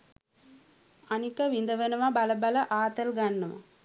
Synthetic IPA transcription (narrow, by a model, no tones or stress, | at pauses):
ɐnikɐʋind̪ɐʋɐnɐʋabɐlɐbɐlɐʔaːt̪ɐlɡɐnːɐmɐ̰